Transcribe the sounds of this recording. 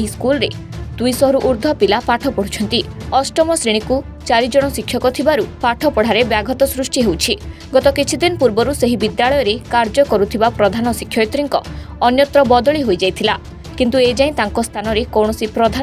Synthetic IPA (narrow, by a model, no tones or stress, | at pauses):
ɦiskulɔɾe | d̪ujsɔɦɔɾuʔuɾd̪ʱɔpilapaʈʰɔpɔɽ̤ut͡ʃʰɔnt̪iɔsʈɔmɔsɾiɽ̃iku | t͡ʃaɾid͡ʒɔɽ̃ɔsikʰːjɔkɔt̪ʰibaɾupaʈʰɔpɔɽ̤aɾebjaɡʱɔt̪ɔsɾusʈiɦewt͡ʃʰi | ɡɔt̪ɔkit͡ʃʰid̪inɔpuɾbɔɾuseɦibid̪jaɭɔjɔɾekaɾd͡ʒɔkɔɾut̪ʰibapɾɔd̪ʱanɔsikʰːjɔjt̪ɾiŋkɔ | ɔnjɔt̪ɾɔbɔd̪ɔɭiɦojd͡ʒajt̪ʰila | kint̪ued͡ʒaĩt̪aŋkɔst̪ʰanɔɾekɔwɽ̃ɔsipɾɔd̪ʱa